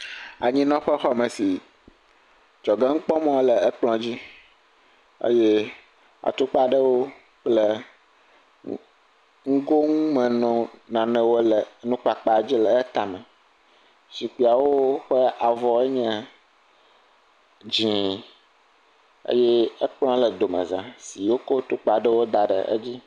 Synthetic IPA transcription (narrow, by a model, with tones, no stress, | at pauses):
a˨ɲĩ˦nɔ̃˦ɸɛ˦xɔ˦mɛ̃˨si˨ | d͡ʒɔ˨ɡɛ˦ŋ̩˦k͡pɔ˦mɔ̃˦o˦lɛ˨ɛ˦k͡plɔ̃˨d͡ʑi˦ | ḛ˦jɛ˦ | a̰˨t̪u˦k͡pa˦˨ɖɛ˦wo˦ | k͡plɛ˦ | ŋ̩˦ɡo˦ŋũ˦mɛ̃˨nɔ̃˨nã˨nɛ̃˨wo˦lɛ˨nũ˦k͡pa˨k͡pa˦˨d͡ʑi˦lə˨˦t̪a˨mɛ̃˨ | si˨k͡pi˨a˨wo˦ɸə˦a˨vɔ˨e˦ɲɛ̃˨ | d͡ʑĩ˦ | ə̰˦jɛ˦ə˦k͡pl̃ɔ̃˦lə˨d̪o˨mə̰̃˨zã˨si˨wo˦ko˦t̪u˦k͡pa˨ɖə˦wo˦d̪a˨ɖə̰˨ʔə̰˦d͡ʑi˦